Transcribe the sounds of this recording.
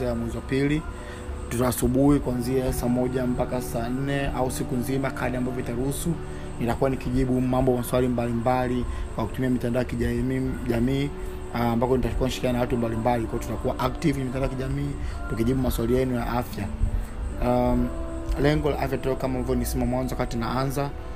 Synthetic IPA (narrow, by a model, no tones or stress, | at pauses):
aamwɛziwapili | tutaːsuɓuhikuanziasaːmɔʄam̩pakasaːn̩nɛausikunzimakʰaɗiambavɔitaɾuhusu | nitakuwanikiʄiɓumambɔmaswalimbalimbalikwaku̥tumiamitandajakiʄaʄamiː | mbakɔnitḁkuaniʃi̥kaanawatumbalimbalikwajɔtutakuwaʔak̚tivaɛmitandaɔjakiʄamiːtukiʄiɓumaswalijɛnujaʔafja | lɛŋɡɔla̰ʔafjatɛkamambavjɔnisɛmamwanzɔwakatinaanza